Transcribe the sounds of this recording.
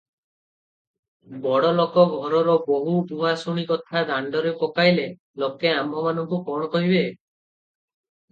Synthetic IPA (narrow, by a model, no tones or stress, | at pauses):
bɔɽɔlɔkɔɡʱɔɾɔɾɔboɦubuasuɽ̃ikɔt̪ʰad̪aɳɖɔɾepɔkajle | lokeambʱɔmanɔŋkukɔɽ̃ɔkɔɦibe